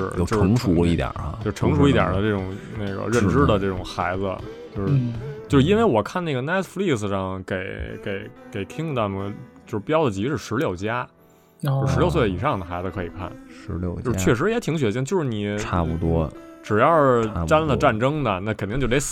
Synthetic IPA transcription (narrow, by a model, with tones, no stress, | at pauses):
ɻ̩̰˥˩jo˥˧ɤ˧˥ŋʂu˧˥i˥˩t̪jə̰˨˩˧jʈ͡ʂʰɤ˧˥ŋʂu˧˥i˥˩t̪jə̰˨˩d̪ə˦ʈ͡ʂɤ˥˩ʈ͡ʂʊ˨˩ŋna˥˩ɪɡə̰˩ɻə˥˩nʈ͡ʂɻ̩˥d̪ə˨˧ʈ͡ʂɤ˥˩ʈ͡ʂʊ˨˩ŋxa˧˥ɪd͡zɹə̰˧t͡ɕjo˥˧ʊʂɻ̩˥˩t͡ɕjo˥˧ʊʂɻ̩˧i˥nwe˧˥ɪwɔ˨˩kʰa˥˧na˥˩ɡə˩nɛ˥t̪ʰfli˥˩ksʂɑ˥˩ŋke˨˧˩ɪkḛ˨˧˩ɪke˨˩ɪt̪ʰi˥ŋt̪a˥˧mə˨˩t͡ɕjo˥˧ʊʂpjɑ˥ʊd̪ə˩t͡ɕi˧˥ʂɻ̩˥˩ʂɻ̩˧˥ljo˥˩ʊt͡ɕja˥ | t͡ɕ̩˥˧˥ʂɻ̩˧˥jo˥˧ʊwe˥˩i˨˩ʂɑ˥˩ŋd̪ə˩xa˧˥ɪd͡zɹə˧kʰɤ˧˥i˨˩kʰa̰˥˩nʂɻ̩˧˥ljo̰˥˧˩ʊo˥˧˥t͡ɕʰɥɛ˥˩ʂ̬ɻ̩˧˥jɛ˧˥t̪ʰi˧˥ŋɕ̬ɥɛ˧˥ɕ̬i˥ŋt͡ɕjo˥˧ʊʂɻ̩˥˧˩ni˨˩a˥˧˩pu˧t̪wɔ̰˥ʈ͡ʂɻ̩˨˩jɑ˥˧˩t̪a˥nlə˨ʈ͡ʂa˥˩nʈ͡ʂɤ˥ŋnə˨na˥˩kʰə˨˩nt̪i˥˧t͡ɕo˥˩e˧˥